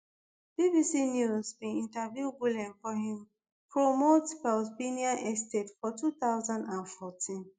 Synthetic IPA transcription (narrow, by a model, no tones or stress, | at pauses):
bibisinjuzbĩĩntavjubulɛ̃mfɔɦĩm | pʰɹomotkalzbiniãnʔɛstetfɔtut̪aʊzãndãnfɔtʰĩn